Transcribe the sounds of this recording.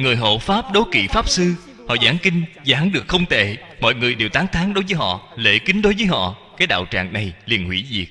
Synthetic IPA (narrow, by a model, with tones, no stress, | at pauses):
ŋɨ˨˩əjɦo̰˧˨faː˦˥p̚ɗo˨˦kḭ˧˨faː˦˥p̚sɨ˧ | hɔ̰˧˨zaː˨˦ŋkï˧ŋ̟zaː˨˦ŋɗɨ˨˩ək̚xə˧wŋ͡mt̪ḛ˧˩ | mɔ̰˧˨jŋɨ˨˩əjɗe˨˩wt̪aː˨˦ŋt̪ʰaː˨˦ŋɗo˨˦jvəː˨˦jɦɔ̰˧˨lḛ˧˩˥kï˨˦ŋ̟ɗo˨˦jvəː˨˦jɦɔ̰˧˨kaː˨˦jɗa̰ː˧˨wt͡ɕa̰ː˧˨ŋna˨˩jli˨˩ənhwḭ˧˥zi˨˩ək̚